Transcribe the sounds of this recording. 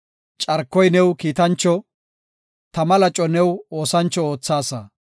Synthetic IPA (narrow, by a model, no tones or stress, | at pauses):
t͡ʃʼɐɾkːɔjnɛwkiːt̪ɐnt͡ʃːɔ | t̪ɐmɐlɐt͡ʃʼːɔnɛwo̞ːsɐnt͡ʃːɔo̞ːt͡sːaːsɐ